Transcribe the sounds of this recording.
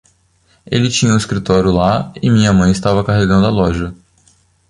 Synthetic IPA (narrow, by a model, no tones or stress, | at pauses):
elɪt͡ʃĩɲɐũɪskɾit̪ɔɾjʊlaɪmĩɲɐmɐ̃j̃ɪst̪avɐkaɦeɡɐ̃nd̪ʊalɔʒɐ